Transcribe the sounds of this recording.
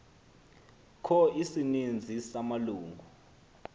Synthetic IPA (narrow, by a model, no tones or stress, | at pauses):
kʰɔisinind͡zʱisamaluːŋɡʱu